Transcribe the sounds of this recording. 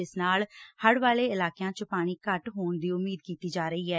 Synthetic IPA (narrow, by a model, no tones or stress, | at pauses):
ɪsnaːlhəɽʋaːleːɪlaːkejãːt͡ʃəpaːɽ̃iːkəʈɦoːɳd̪iːʊmːiːd̪̚kiːt̪iːd͡ʒaːɾəiːɦɛː